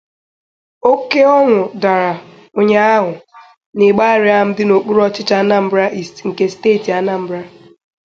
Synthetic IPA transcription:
o˦ke˦ɔ˦ŋʷʊ˨da˨ɾa˨ | o˨ɲe˦a˦ɦʊ˨ | nɪ˨ɡ͡ba˦ɾɪ˦a˦m̩˦dɪ˦no˨k͡pu˦ɾɔ˦t͡ʃɪ˦t͡ʃa˦na˦˨m̩˦bɾa˦ʔi˨sŋ̩˨ke˦steː˦˨ti˨a˦na˦m̩˦bɾa˦

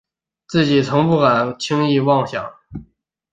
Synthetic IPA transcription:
t͡sɹ̩˥˩t͡ɕi˨˩t͡sʰʊ˧˥ŋpu˥˩ka˨˩nt͡ɕʰi˥ŋi˥˧wɑ˥˩ŋɕjɑ̰˨˩˦ŋ

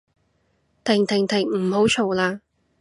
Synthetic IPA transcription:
t̪ʰɪ˨˩ŋt̪ʰɪ˨˩ŋt̪ʰɪ˨˩ŋm̩˨˩ho˨˥wt͡ʃʰo˨˩wlaː˧

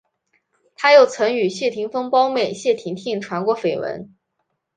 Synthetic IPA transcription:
t̪ʰa˥jo˥˩ʊt͡sʰɤ˧˥ŋy˨˩ɕjɛ˥˩t̪ʰi˧˥ŋfɤ˥ŋpɑ˥ʊme˨˩ɪɕjɛ˥˩t̪ʰi˧˥ŋt̪ʰi˥˩ŋʈ͡ʂʰwa˧˥nkwɔ˧˥fe˨˩ɪwə̰˧˥n

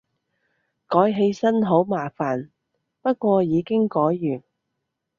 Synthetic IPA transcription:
kɔː˨˥jɦe˧jsɐ˥nɦo˨˥wmaː˨˩faː˨n | pɐ˥t̚kʷɔː˧jiː˨˧kɪ˥ŋkɔː˨˥jːyː˨˩n

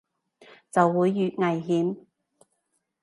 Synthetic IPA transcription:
t͡sɐ˨wːuː˨˧jːyː˨t̚ŋɐ˨jɦiː˨˥m

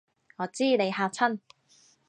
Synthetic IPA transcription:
ŋɔː˨˧t͡siː˥ne˨˧jhaː˧p̚t͡sʰɐ˥n

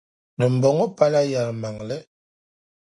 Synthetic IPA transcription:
nə˨m̩˨bɔ˨ŋɔ˦pa˦la˦ja˨lma˨ŋlɛ˦

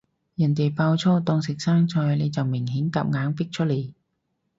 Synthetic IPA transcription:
jɐ˨˩nt̪e˨jpaː˧wt͡sʰɔː˥t̪ɔː˧ŋsɪ˨k̚saː˥ŋt͡sɔː˧hle˨˧jt͡sɐ˨wmɪ˨˩ŋɦiː˨˥ŋka̰ː˧p̚ŋaː˨˥ŋpɪ˥k̚t͡ʃʰɵ˥le˨˧j

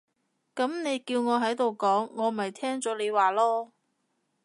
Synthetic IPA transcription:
kɐ˨˥mne˨˧jkiː˧wŋɔː˨˧ɦɐ˨˥jt̪o˨wkɔː˨˥ŋːɔː˨˧m˨ɐ˨jt̪ʰɛː˥ŋt͡sɔː˨˥le˨˧jwaː˨lɔː˥

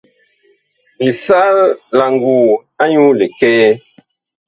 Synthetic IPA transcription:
li˨sa˦la˨ŋ˨ɡuː˨a˦ɲu˦le˨kɛ˦ɛ˦

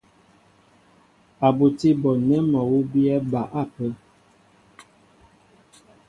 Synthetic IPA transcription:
a˨bu˨ti˦bɔ˨nɛ˦mɔ˨wu˦bi˦ɛ˦ba˨ʔa˦˨pə˦

